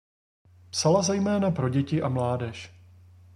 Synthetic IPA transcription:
psalazɛjmɛːnapɾo̞ɟɛcɪʔamlaːdɛʃ

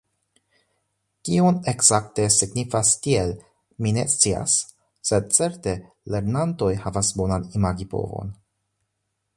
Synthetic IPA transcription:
kione̞kzakte̞siɡnifastiel | mine̞st͡sia̰sː | e̞d̚t͡se̞ɾte̞ | le̞ɾnanto̞jhavasbo̞nanimaɡipo̞̰vo̞̰n

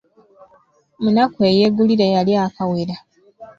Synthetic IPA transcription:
munakuejeːɡuliɾejaliakaweɾa

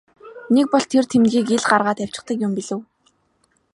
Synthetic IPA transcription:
nek̚pɔɮt̪ʰert̪ʰemɣiːkeɮɢarʁaːt̪æw̥ʲt͡ɕɪ̆χt̪ə̆kjʊmpiɮɘ̆w

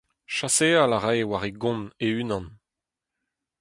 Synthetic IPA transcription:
ʃasealaʁawaʁeɡɔ̃neynɑ̃n

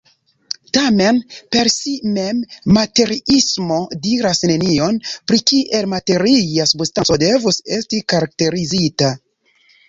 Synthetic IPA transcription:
tame̞npe̞ɾsime̞mːate̞ɾiismo̞diɾasne̞nio̞npɾikiʔe̞lmate̞ɾijasubstant͡sode̞vuse̞stikaɾak̚te̞ɾizita

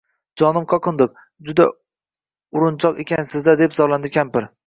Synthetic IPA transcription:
d͡ʒɒnɪmqʰɒqʰɨnd̪ɪp̚ | d͡ʒʊd̪a | ʊɾʊnt͡ʃʰɒqekʲʰansɪzd̪ad̪epzɒlˠand̪ɪkʲampɪɾ

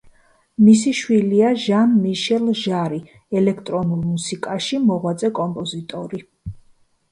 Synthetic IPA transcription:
mis̬iʃwiliaʒanmiʃɛlˠʒaɾi | ɛlɛkʰt̪ʼɾɔnulˠmusikʼaʃimɔʁwat̪sʼɛkʼɔmpʼɔzit̪ʼɔɾi

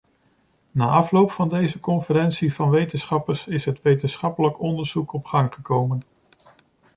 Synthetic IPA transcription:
naːʔɑflowpfɑndejzəkɔnfəɾɛnsiv̥ɑnʋejtənsχɑpəɹsɪsɦətʋejtənsχɑpələkɔndəɹz̥ukɔpχɑŋχəkowmən

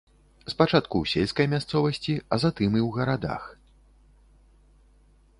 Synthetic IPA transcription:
spat͡ʂat̪kuwsʲelʲskɐjmʲast̪sɔvɐsʲt͡sʲiɐzat̪ɨmiwɣɐɾad̪a̰x

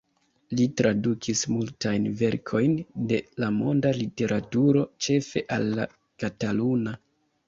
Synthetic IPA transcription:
litɾadukʰismultajnve̞ɾkʰo̞jnde̞lamo̞ndalite̞ɾʔatuɾo̞t͡ʃe̞fe̞ʔalːa̰ | kataluna

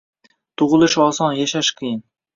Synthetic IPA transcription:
t̪ʰʊʁɨlˠɪʃɒsɒnjaʃaʃkʲʰijɪn

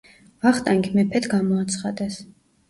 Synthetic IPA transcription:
vaχt̪ʼaŋɡʰmɛpʰɛt̪ɡamɔat̪sʰχad̪ɛs

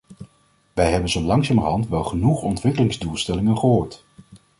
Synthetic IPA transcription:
ʋɛjɦɛbənzolɑŋsaːməɹɦɑntʋɛlˠχənuχɔntʋɪkəlɪŋzdulˠstɛlɪŋənχəɦoːɹt

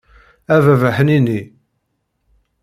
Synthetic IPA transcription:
ævævæħəninːi

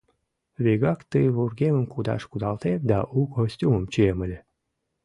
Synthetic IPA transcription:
vʲeɡɑkt̪əjvurɡʲeməmkud̪ɑ̰ʃkud̪ɑlt̪ed̪ɑʔuɡosʲtʲuməmt͡ɕieməlʲe

